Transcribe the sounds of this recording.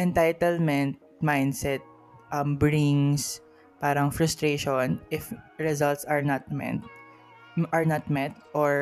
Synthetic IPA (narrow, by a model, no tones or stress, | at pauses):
ʔɛnt̪ajt̪ɛlmɛnt̪̚majnd̪sɛt̪̚ | ʔɐmbɹɪŋs | paːɾɐŋfɾʊst̪ɾeʃonʔɪfɹɛzalt̪sɐɹnat̪̚mɛ̰t̪ | ʔɐɹnɐt̪mɛt̪ʔɔɹ